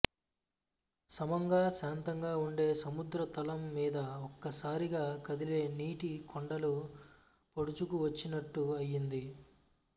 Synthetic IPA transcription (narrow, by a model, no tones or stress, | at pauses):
sɐmɐŋɡaːʃaːnt̪ɐŋɡaːuɳɖe̞ːsɐmud̪ɾɐt̪ɐlɐmːiːd̪ɐɔkːɐsaːɾiɡaːkɐd̪ile̞ːniːʈikʰɔɳɖɐlu | poɽut͡ʃukuʋɐt͡ʃːinɐʈːuɐjːind̪i